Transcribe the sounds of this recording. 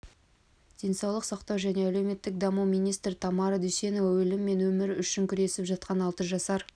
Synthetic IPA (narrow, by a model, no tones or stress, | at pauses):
d̪̥ʲe̞nsɑwlˠəqsɑqt̪ɑwʒæne̞æle̞wme̞t̪ːɪk̚d̪ɑmumijnijst̪ɾɪt̪ʰɑmɑɾd̪ʏse̞nowwɵlɪmːe̞nwɵmɪɾʏʃɪŋkʲʰʏɾe̞sɪpʒɑt̪̚qɑnɑlˠt̪əʒɑsɑɾ